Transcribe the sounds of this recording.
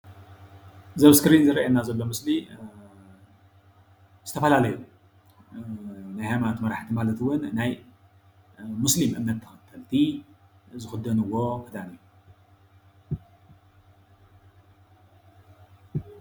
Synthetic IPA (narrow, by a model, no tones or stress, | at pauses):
zɐβskɾinzɨɾɐʔanazɐlːo̞mɨsli | z̥ɨt̪ʰɐfɐlalɐju | najhamant̪mɐɾaħt̪ʰimalɐt̪ʰwʊnːaj | muslimʔɨmnɐt̪ʰːɐxɐt̪ʰːɐlt̪ʰi | zɨxɨd̪ɐnɨwo̞kʰɨd̪aniju